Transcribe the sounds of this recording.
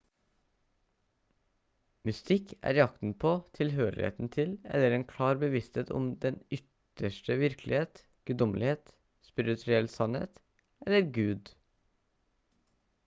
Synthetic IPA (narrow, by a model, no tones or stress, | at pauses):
mʏst̪ɪkʔæ̰ːɾjɑkt̪n̩pʰoːt̪ʰɪlɦøːɾɪ̰hḛːt̪n̩t̪ʰɪlɛ̰lːəɾɛnkʰlɑːɾbəʋɪst̪heːt̪ʰɔ̰md̪ɛnʏt̪ | əʃʈəʋɪɾkʰlʔɪheːt̪ | ɡ̥ʉd̪ɔməlɪheːt̪ | spɪɾɪt̪ʰɾʉɛlsɑnhḛːt̪ | ɛlːəɾɡʉːd̪